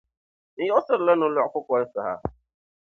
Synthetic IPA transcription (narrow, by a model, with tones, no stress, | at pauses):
n̩˨˦jɛ˦ɔ˦sɪ˦ɾlɛ˦nʊ̃˦lʊ˨kʊ˦kɔ˨ɾɪ˦sa˨ha̰˦